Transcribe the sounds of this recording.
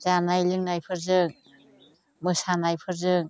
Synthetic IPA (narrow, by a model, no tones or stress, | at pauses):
zanajlɯŋnajpʰɯɾzɯŋ | mɯsanajpʰɯɾzɯŋ